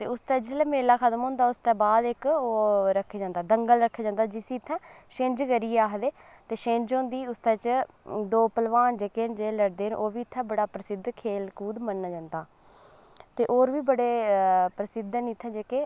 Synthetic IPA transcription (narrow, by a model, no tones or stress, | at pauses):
t̪eːʊst̪ɛ̃ːd͡ʒɪslɛːmeːlaːkʰət̪əmɦõːnd̪aːʊst̪ɛ̃ːbaːd̪ɪkoːɾəkʰːeːd͡ʒãːnd̪aːd̪əŋɡəlɾəkʰːaːd͡ʒãːnd̪aːd͡ʒɪsiːt̪ʰːɛ̃ːʃɪ̃ɲd͡ʒkəɾiːaːɦd̪eː | t̪eːʃẽɲd͡ʒɦõːnd̪iːʊst̪ɛ̃ːt͡ʃ | d̪oːpəlʋaːnd͡ʒeːkeːnd͡ʒeːləɽd̪eːənʔoːʋiːt̪ʰːɛ̃ːbəɽaːpɾəsɪd̪ʱkʰeːlkuːd̪mənːaːd͡ʒãːnd̪aː | t̪eːʔoːɾʋiːbəɽeːpɾəsɪd̪niːt̪ʰːɛ̃ːd͡ʒeːkeː